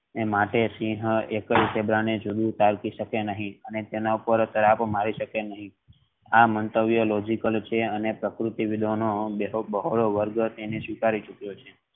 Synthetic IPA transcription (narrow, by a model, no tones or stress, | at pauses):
emaʈesĩɦekəlsebɾaɽ̃ed͡ʒud̪ʱũt̪aɾkiʃəkenəɦĩənet̪enaupəɾt̪əɾapmaɾiʃəkenəɦĩ | amənt̪əʋjolod͡ʒikəlt͡ʃʰeənepɾəkɾut̪iʋid̪ʱonobəɦoɭoʋəɾɡt̪enesʋikaɾit͡ʃukjot͡ʃʰe